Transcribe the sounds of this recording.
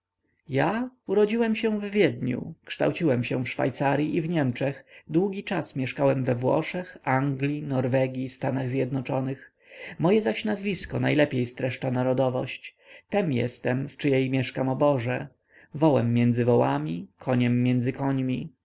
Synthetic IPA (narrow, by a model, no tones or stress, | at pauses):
jauɾɔd͡ʑiwɛmɕɛ̃vvʲjɛd̪ɲṵkʂt̪a̰wt͡ɕiwɛmɕɛ̃fʂfa̰jt̪saɾʲjiʔivɲɛmt͡ʂɛxd̪wuɡʲit͡ʂasmʲjɛʂkawɛmvɛvwɔ̰ʂɛxaŋɡlʲinɔɾvɛɡʲjist̪anaɣzʲjɛd̪nɔt͡ʂɔnɘx | mɔjɛzaɕnazvʲiskɔnajlɛpʲjejst̪ɾɛʂt͡ʂanaɾɔd̪ɔvɔ̰ɕt͡ɕ | t̪ɛmjɛ̰st̪ɛmft͡ʂɘjɛjmʲjɛʂkamɔbɔʐɛ | vɔwɛmːjɛnd̪zɘvɔwamʲikʰɔɲɛmːjɛnd̪zɘkɔɲmʲi